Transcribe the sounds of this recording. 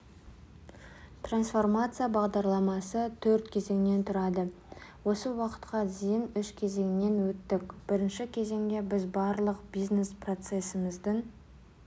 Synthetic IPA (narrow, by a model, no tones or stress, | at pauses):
t̪ransfo̞rmat̪sɨjabɑʁd̪ɑɾlˠɑmɑsət̪ʰɵɾt̪kʲʰe̞ze̞ŋɪne̞nt̪ʰʊɾɑd̪ə | wo̞səwɑqə̥t̪qɑzijɪnʏʃkʲʰe̞ze̞ŋɪne̞nwɵt̪ːɪkʲb̥ɪɾɪnʃɪkʲʰe̞ze̞ŋɡʲe̞bɪzbɑɾlˠəqbiznesprot̪se̞səməzd̪əɴ